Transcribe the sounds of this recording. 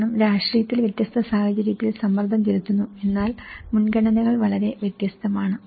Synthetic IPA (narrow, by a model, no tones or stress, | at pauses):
ɳɐmɾaːʂʈrijɐt̪ːilʋjɐt̪jɐst̪ʰɐsaːhɐt͡ɕɐɾijɐt̪ːilsɐmːɐrd̪ʱɐmt͡ɕelut̪ːunːue̞nːaːlmunɡɐɳɐnɐɣɐɭʋɐɭɐɾe̞ʋjet̪jɐst̪ʰɐmaːɳɨ